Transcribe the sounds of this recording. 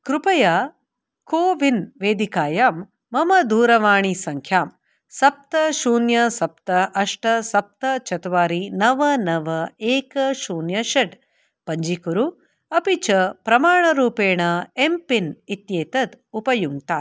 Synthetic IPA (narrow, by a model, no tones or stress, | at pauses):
kɾupɐjaː | koːʋinʋeːd̪ikaːjaːmː | ɐmɐd̪uːɾɐʋaːɳisɐŋkʰjaːm | sɐp̚t̪ɐʃuːnjɐsɐpt̪ɐʔɐʂʈɐsɐp̚t̪ɐt͡ʃɐt̪ʋaːɾinɐʋɐnɐʋɐeːkɐʃuːnjɐʃɐɖ | pɐɲd͡ʒikuɾu | ɐpit͡ʃɐpɾɐmaːɳɐɾuːpeːɳɐempinit̪jeːt̪ɐd̪upɐjuŋt̪aː